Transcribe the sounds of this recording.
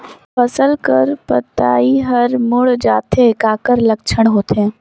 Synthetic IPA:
fɐsəlkəɾpə̰t̪a̰ːiɦɐɾmʊɽd͡ʒaːt̪eɪkaːkəɾlɐkt͡ʃʰəɽ̃ɦoːt̪eɦɛ̃ː

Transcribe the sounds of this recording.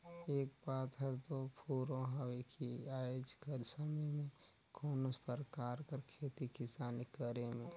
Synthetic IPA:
eːk̚paːt̪ʰəɾt̪opʰuːɾõɦəwekʰiaːjod͡ʒkəɾsəməjmẽ | kʰoːnospəɾkaːɾkəɾkʰeːt̪ikɪsaːnkəɾemẽ

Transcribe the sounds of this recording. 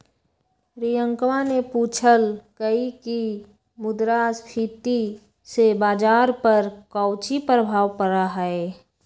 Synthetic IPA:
ɾijə̃ŋkmanepuːt͡ʃʰəlkəɦiki | mʊd̪ɾaːspʰiːt̪i | sebaːd͡ʒaːɾpəɾkɔʊt͡ʃipɾəbʱaːʋpəɾaɦɛe

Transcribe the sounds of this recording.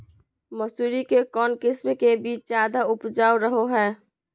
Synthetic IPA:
məsuːɾikekɔːnkɪsmkebiːt͡ʃd͡ʒaːd̪aʊpd͡ʒaːuɾəɦoɦɛː

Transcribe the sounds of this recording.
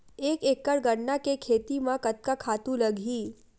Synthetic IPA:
eːkekːəɽɡəɽnakekʰet̪imãkət̪̚kakʰat̪ũləɡʱi

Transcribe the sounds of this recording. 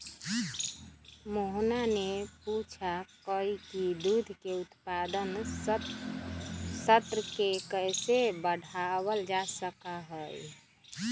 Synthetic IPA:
moɦnaneput͡ʃʰakəikid̪ud̪ʱkeut̪pad̪ən | sət̪ɾəkekəjsebəɽ̤ʱawəld͡ʒasəkaɦəj

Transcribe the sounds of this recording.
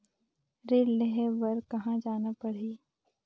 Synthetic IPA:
ɾeːlleɦɛʋɐɾkɐɦãd͡ʒaːnapɐɽiː

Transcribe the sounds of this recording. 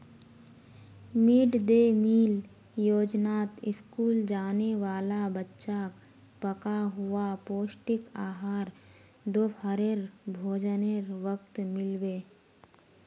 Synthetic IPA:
miːɖd̪emiːl | joːd͡ʒnaːt̪ɪskuːld͡ʒaːneʋaːlabətːʃak | pəkaɦʊapoːsʈɪkaːɦaːɾ | d̪opʰəɾeɾbʱoːd͡ʒəneɾʋək̚t̪mɪlweː

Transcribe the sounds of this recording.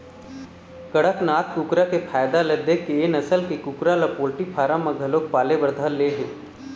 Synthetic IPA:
kəɽəknaːt̪kukɾakepʰaːjd̪alɐd̪ekenɐsəlkekukɾalapoːlʈipʰaːɾãmɐ̃ɡʱɐloːk̚paːlebəɾd̪ʱalːeɦeː

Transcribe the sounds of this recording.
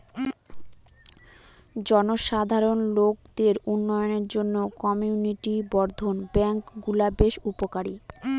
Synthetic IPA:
d͡ʑɔnoʃad̪ʱaɾonlok̚d̪eɾunːɔjoneɾd͡ʑonːokɔmiuniʈibɔɾd̪ʱonbɛŋkɡulabeʃupokaɾi

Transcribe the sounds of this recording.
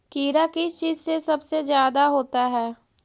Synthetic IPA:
kiːɾakɪst͡ʃiːzsesɐbsezjaːd̪aɦoːt̪aɦɛː

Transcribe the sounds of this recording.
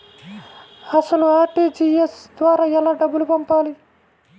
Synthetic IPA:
ɐsɐluaːɾʈiːd͡ʒiesd̪ʋaːɾaːjɛlaːɖɐbːulupɐmpaːli

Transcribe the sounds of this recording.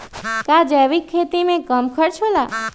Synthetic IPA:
kad͡ʒeʋikʰːet̪imẽkəmkʰəɾt͡ʃʰola

